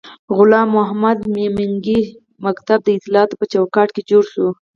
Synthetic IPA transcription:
ɣʊlɑmːʊɦamad̪mimɪŋɡi | makt̪ab̚d̪əɪt̪ɪlɑːt̪o̥pət͡ʃawkɑʈked͡ʒoɽʃo

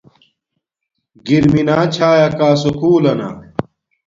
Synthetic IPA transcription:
ɡiɾminaːt͡ɕʰaːjɐkaːsukuːlɐna̰

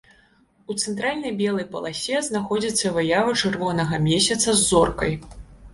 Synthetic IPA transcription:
ut̪sɛnt̪ɾalʲnɐjbʲɛlˠɐjpɐ̰lˠasʲɛznaxɔd͡zʲit̪sːɐvɨjavɐt͡ʂɨrvɔnɐɣɐmʲɛsʲɐt̪sɐzːɔrkɐj

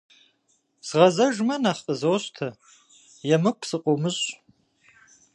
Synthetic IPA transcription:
sʁɐzɐʒmɐnaχəzoːɕʼtʰɐ | jɛmɨkʷʰsɨqʷʼomɨɕʼ

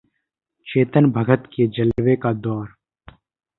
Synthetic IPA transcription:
t͡ʃeːt̪ənbʱəɡʱət̪ked͡ʒəlwekad̪ɔːɾ

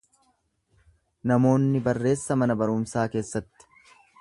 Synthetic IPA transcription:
nɐmo̞ːnːɪbɐrːe̞ːsːɐmɐnɐbɐɾʊmsaːke̞ːsːɐt̪ːɪ̥

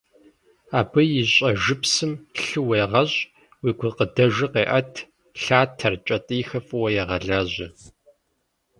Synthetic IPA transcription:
aːbɨjɪɕʼɐʒɨpsɨmɬɨwɐjʁɐɕʼ | wiːɡʷʊqədɐʒɨqeːʔɐtʰ | ɬaːtʰɐrt͡ʃʼɐtʼɨːxɐfʼɨwɐjɛʁɐɮaʑɪ

